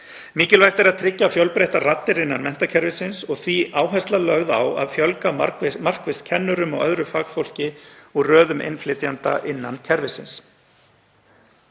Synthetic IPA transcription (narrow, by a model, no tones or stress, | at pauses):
miːcɪlvajht̪ɛɾaðt̪ʰɾɪcːafjœwlpɾejht̪arat̪ːɪɾɪnːanmɛn̥t̪acʰɛɾvɪsɪnsɔɣθviʔaːwɦast̪lalœɣða̰wa̰ðfjœlkamar̥kvɪst̪̚cʰɛnːʏɾʏmɔ̰ɣœðɾʏfaːkfowl̥cɪurœːðʏmʔḛnflɪt̪jant̪a̰ʔɪnːancʰɛɾvɪsɪ̰ns